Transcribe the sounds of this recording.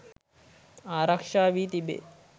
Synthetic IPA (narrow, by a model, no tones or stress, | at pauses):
aːɾakʂaːʋit̪ibḛ